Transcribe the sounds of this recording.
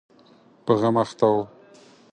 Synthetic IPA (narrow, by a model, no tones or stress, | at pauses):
pəɣamaxt̪aw